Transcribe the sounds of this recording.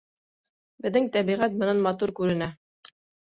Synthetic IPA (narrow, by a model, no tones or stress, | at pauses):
bɘ̆ðːɘŋt̪æβiʁæt̪mɤ̆nænmɑt̪̬uɾkʉɾɘ̆næ